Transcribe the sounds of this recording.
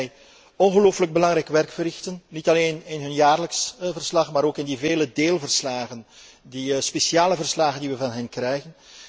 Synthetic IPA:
j | ɔnɣəloːfələɡ̚bəlɑŋɾɛjkʋɛrkfərɪxtənːitɑleːnɪnɦɵnjaːrləksvərslɑχmaːɾoːkɪndiveːlədeːlˠvərslaːɣən | dispeʃiaːləvərslaːɣəndiʋəvɑnɦɛnkrɛjɣən

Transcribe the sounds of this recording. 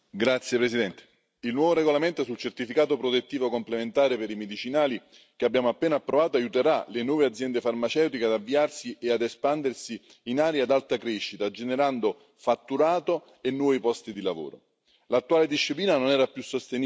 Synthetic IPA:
ɡɾat̪sːjepɾesid̪ɛnt̪e̥ | ilnwɔːvoɾeɡolament̪osult͡ʃert̪ifikaːt̪opɾot̪et̪ːiːvokomplement̪aːɾepeɾimed̪it͡ʃinaːli | keabːjaːmoapːeːnaapːɾovaːt̪oajut̪eɾalenwɔːvead̪zːjɛnd̪efarmat͡ʃɛwt̪ikead̪avːiarsiʔead̪espand̪ersiː | naːɾjad̪alt̪akɾeʃːit̪ad͡ʒeneɾand̪o | fat̪ːuɾaːt̪o | enːwɔːvipɔst̪id̪ilavo̰ːɾo̰ | lat̪ːuaːled̪iʃːipliːnanonɛːɾapjusːost̪en

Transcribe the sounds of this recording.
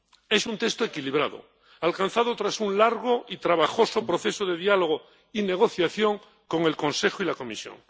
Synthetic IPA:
e̞sunt̪est̪oekiliβ̞ɾa̰ðo̰ | alkan̟θað̞ot̪ɾasuŋlaɾɣ̞oit̪ɾaβaxo̞sopɾo̞θe̞soðe̞ðjalo̞ɣ̞o | ine̞ɣ̞o̞θjaθjo̞ŋ | ko̞ŋe̞lkõ̞nse̞xoilako̞misjo̰ŋ

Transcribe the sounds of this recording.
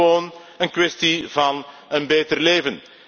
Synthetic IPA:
oːn | ənkwɛstivɑn | ənbeːtərleːvən

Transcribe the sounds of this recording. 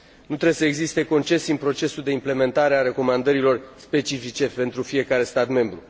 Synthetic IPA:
nut̪ɾebsəe̞ɡzist̪e̞ko̞nt͡ʃe̞sɨnpɾo̞t͡ʃe̞suld̪e̞imple̞me̞nt̪aɾe̞aɾe̞ko̞mand̪əɾilo̞rspe̞t͡ʃifit͡ʃe̞pe̞nt̪ɾufije̞kaɾe̞st̪at̪me̞mbɾu

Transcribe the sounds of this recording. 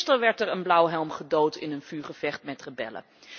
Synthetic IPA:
stəlʋɛɹtɛɹənblʌwɦɛlˠmχədowtɪ̰nənfyːɹχəv̥ɛχtmɛtrəbɛ̰lə̰

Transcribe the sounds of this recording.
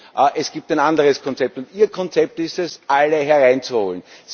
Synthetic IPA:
ʔəʔɛsɡ̥iːp̚tæɪnandəʁəskʰɔnt͡sɛp̚tʊntiːɐkʰɔnt͡sɛp̚tɪstɛsʔaləɦɛɐʁaɪnt͡suho̰ːlns

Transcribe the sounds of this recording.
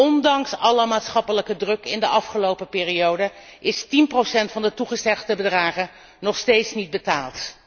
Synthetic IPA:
ɔndɑŋsɑləmaːtsχɑpələkədrɵkɪndəʔɑfχəlowpəpɪːriowdə | ʔɪstinprosɛntfɑndətuχəstɛχdəbədraːχə | nɔχstejtsnid̚bətaːlˠt

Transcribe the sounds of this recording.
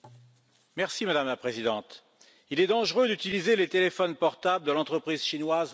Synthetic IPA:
mɛʁsimad̪amlapχezid̪ɑ̃t̪ | ilɛd̪ɑ̃ʒʁød̪yt̪ilizelet̪elefɔnpɔʁt̪abld̪əlɑ̃t̪χəpχizʃinwaz

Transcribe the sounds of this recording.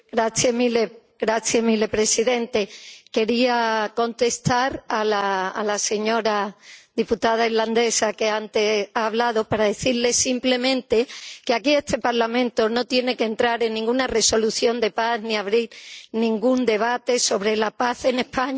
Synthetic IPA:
ɡɾaθjemile | ɡɾaθjemile̞pɾe̞siðe̞nt̪e̞ke̞ɾiako̞nt̪e̞st̪aɾala̰ːlase̞ɲo̞ɾaðiput̪að̞aiɾland̪e̞sake̞ant̪e̞aːβ̞laðo̞paɾaðe̞θiɾle̞simple̞mẽ̞nt̪e̞keakie̞st̪e̞paɾlamẽnt̪o̞no̞t̪je̞ne̞kent̪ɾaɾe̞nːĩŋɡunare̞so̞luθjo̞nd̪e̞paznĩaβɾiɾnĩŋɡund̪e̞β̞at̪e̞so̞βɾe̞lapaθe̞ne̞hpaɲ

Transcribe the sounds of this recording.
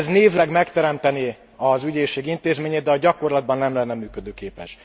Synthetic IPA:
zneːvlɛɡmɛkt̪ɛɾɛmt̪ɛne | ɒzyɟeːʃeːɡint̪eːzmeːɲeːd̪d̪ɛɒɟɒko̞rlɒd̪̚bɒnːɛmlɛnːɛmyːkød̪øːkeːpɛ̰ʃ

